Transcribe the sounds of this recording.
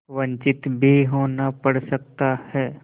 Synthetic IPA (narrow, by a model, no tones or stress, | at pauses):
ʋə̃ɲt͡ʃɪt̪bʱiɦoːnapəɽsək̚t̪ahɛː